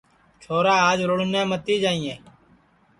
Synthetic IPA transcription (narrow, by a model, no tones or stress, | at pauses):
t͡ʃʰoːɾaːaːd͡ʒɾʊɽnẽːmət̪iːd͡ʒaːĩːẽː